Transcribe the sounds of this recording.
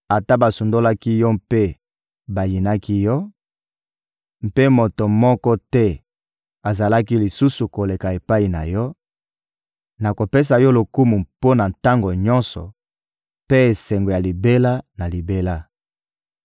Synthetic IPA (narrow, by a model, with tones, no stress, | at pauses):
a˨ta˦ba˨su˨ndo˦la˦ki˦jɔ˦mpe˦ | ba˨ji˨na˦ki˦jɔ˦ | m̩˦pe˦mo˨to˨mɔ˦kɔ˦tɛ˦ | a˨za˨la˦ki˦li˨su˦su˨ko˨le˨ka˨e˨pa˦i˨na˨jɔ˦ | na˨ko˨pe˦s̬a˨jɔ˦lo˨ku˦mu˨mpo˦na˨nta˦ŋɡo˨ɲɔ̃˦nsɔ̰˨ | pe˦e˨sɛ˨ŋɡo˨ja˨li˨be˦la˦na˨li˨be˦la˦